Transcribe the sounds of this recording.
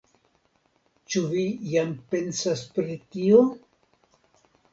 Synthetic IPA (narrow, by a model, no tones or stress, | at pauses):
t͡ʃuvijampensaspɾitio